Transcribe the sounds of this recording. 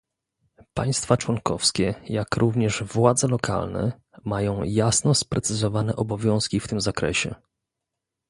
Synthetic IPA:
paj̃st̪fat͡ʂwɔŋkɔfskʲɛjakɾʔuvɲɛʐvwad̪zɛlɔkʰa̰lnɛ̰ | majɔ̃w̃jasnɔspɾɛt̪sɘzɔvanɛʔɔbɔvʲjɔ̃w̃skʲift̪ɘmzakɾɛ̰ɕɛ̰

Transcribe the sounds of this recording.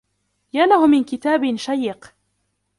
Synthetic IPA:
janahʊmɪnkɪt̪aːbɪnʃajːɪq

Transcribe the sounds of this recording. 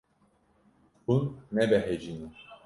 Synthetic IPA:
bunːɛbɛɦɛd͡ʒini

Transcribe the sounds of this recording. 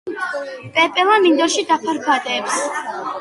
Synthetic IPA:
pʼɛpʼɛlamind̪ɔɾʃid̪apʰaɾkʰat̪ʼɛːps

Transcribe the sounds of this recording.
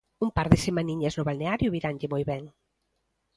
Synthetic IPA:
umpaɾðɪsemãniɲɐznʊβalneaɾjʊβiɾanʎɪmojβɛŋ

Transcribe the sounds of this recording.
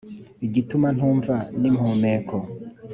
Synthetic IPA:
iɟituman̥huːɱvanimhomeːkʰo

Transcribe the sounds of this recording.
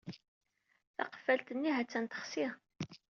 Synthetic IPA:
θɑ̰qə̥fːælt̪ənːiɦæt͡sːænt̪ə̥χsiʁ

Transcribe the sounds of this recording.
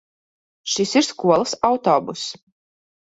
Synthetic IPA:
ʃisiɾskuɔlˠəsawt̪ɔːbus

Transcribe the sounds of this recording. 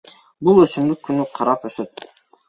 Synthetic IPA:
bulˠɵsynd̪ykːynyqʰɑɾɑpøsøt̪̚

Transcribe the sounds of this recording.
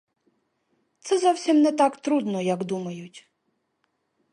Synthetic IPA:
t̪sɛzɔwsʲimnɛt̪ɑkt̪ɾud̪nɔjɐkd̪umɐjʊtʲ

